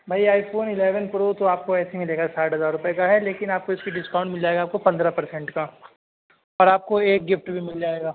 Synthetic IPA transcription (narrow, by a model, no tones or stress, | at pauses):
bʱaːjaːɪfoːnɪleːʋənpɾot̪oaːp̚koɛːsemɪleːɡasaːʈɦɐzaːɾːʊpɛkaɦɛleːkɪnaːp̚koɪskiɖɪskãʊ̃ɳʈmɪld͡ʒaːeːɡaːp̚kopɐ̃nd̪ɾapɐɾsɛ̃ɳʈka | ɐːɾaːp̚koeːk̚ɡɪfʈbʱimɪld͡ʒaːeːɡaː